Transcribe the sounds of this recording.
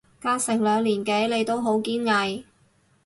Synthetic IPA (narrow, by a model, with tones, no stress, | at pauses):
kaː˥sɪ˨˩ŋlœː˨˧ŋliː˨˩nke˨˥jle˨˧jt̪o˥wɦo˨˥wkiː˥nŋɐ˨˧j